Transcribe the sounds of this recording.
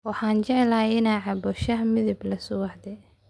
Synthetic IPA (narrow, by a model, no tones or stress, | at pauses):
wɑħɑːnt͡ʃɛʕɛlajɪnaːʕɑbɔʃɐɦmɪðɪblɐsʊwɑħd̪ɛ